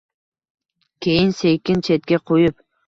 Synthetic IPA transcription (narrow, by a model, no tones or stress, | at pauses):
kʲʰejinsejkʲint͡ʃʰet̪̚kʲeqʰojup̚